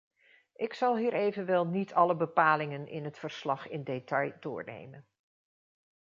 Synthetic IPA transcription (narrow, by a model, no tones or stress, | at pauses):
ʔɪksɑlˠɦiːɹejvənʋɛlˠnitʰɑləbəpaːlɪŋənɪ̰nɦətfəɹslɑχɪndetɑjd̥ʊ̰ːɹnḛjmən